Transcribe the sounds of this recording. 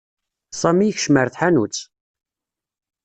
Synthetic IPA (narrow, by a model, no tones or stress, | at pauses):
sˤɑmijçʃməɾθħanṵt͡sː